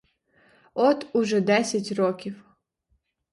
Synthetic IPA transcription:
ɔt̪ʊʒɛd̪ɛsʲɐtʲrɔkʲiw

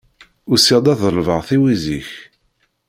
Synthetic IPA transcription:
ʊɾsiʁd̪æðəlvəʁθiwiziç

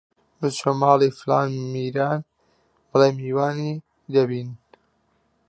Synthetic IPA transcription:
bɨt͡ʃʰomaːlifla̰ːnmiːɾaːn | bɐleːmiːwaːni | d̪ɐbiːn

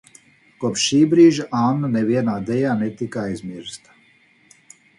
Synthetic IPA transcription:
kuɔpʃːiːbɾiːʒiʔaːmnanɛʋiɛnaːd̪ɛjaːnɛt̪ikaajzmiɾst̪ḁ

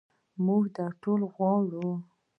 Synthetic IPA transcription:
muɡd̪ɑʈolɣwɑɽu

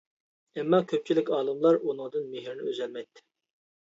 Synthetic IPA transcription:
ɛmːɑkʲʰøp̚t͡ʃʰilɪkʲɑːlˠɨmlˠɑɾunɨŋd̪ɨnmeɦɪɾnɪøzɛlmɛjt̪ʰːɪ̥

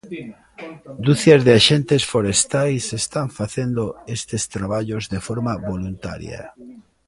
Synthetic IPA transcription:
d̪uθjazðeaʃent̪esfoɾest̪ajsest̪aɱfaθend̪oest̪est̪ɾaβ̞aʎozðefoɾmaβolunt̪a̰ɾja̰

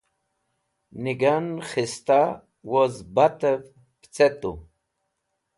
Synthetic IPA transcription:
niɡanχist̪a | wozbat̪əv | pt͡sɛt̪ṵ

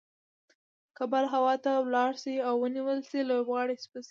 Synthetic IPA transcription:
kabaɾɦawɑt̪awlɑɽsiawːəniwəlsilobɣɑɽispəsi

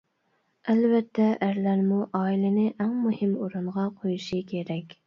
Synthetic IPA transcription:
ælbɛt̪ʰːɛʔæɾlæɾmuʔɑːilɪnɪʔæŋmuhɪmoɾuɴʁɑqʰojuʃikʲʰeɾɛkʲ

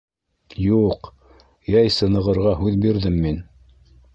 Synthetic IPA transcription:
juq | jæjsɤ̆nɤ̆ʁɤ̆ɾʁɑɦʉðbiɾðɘmːin

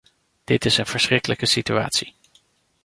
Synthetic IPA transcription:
d̥ɪtɪsənv̥əɹsrɪkələkəsitya̰ːtsi

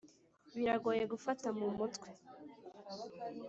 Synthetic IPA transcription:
βiɾaɡoːje̞ɡufatamumutkwe

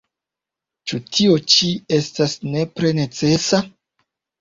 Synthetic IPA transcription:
t͡ʃutʰio̞t͡ʃie̞stasne̞pɾe̞ne̞t͡se̞sa

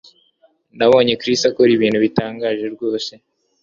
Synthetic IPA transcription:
naβo̞ːɲe̞kɾistakoɾiβiːn̤̥huβitaːŋɡaːʒe̞ɾɡo̞ːse̞

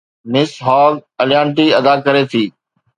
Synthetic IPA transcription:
nɪsɦaːɡəljaːɳʈ̬iːəd̪aːkəɾeːt̪ʰiː

